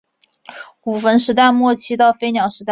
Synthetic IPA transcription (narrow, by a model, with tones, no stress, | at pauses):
ku˨˩fə˧˥nʂɻ̩˧˥t̪a˥˧ɪmwɔ˥˩t͡ɕʰi˧˥t̪ɑ˥˩ʊfe˥ɪnjɑ˨˥ʊʂɻ̩˧˥t̪a˥˧